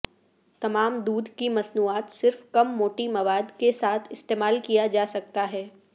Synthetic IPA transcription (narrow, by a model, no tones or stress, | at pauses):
t̪ɐmaːmd̪uːd̪ʱkimɐsnuːaːt̪sɪɾfkɐmːoːʈimɐʋaːd̪kesaːt̪ʰɪst̪eːmaːlkijad͡ʒaːsɐk̚t̪aɦɛː